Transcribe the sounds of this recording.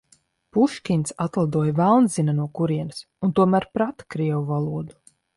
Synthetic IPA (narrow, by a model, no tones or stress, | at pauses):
puʃkʲint̪sat̪lˠad̪uɔjavælˠnzinanuɔkuɾiɛnɨs | unt̪uɔmæːɾpɾat̪ḁkɾiɛvuvalˠuɔd̪u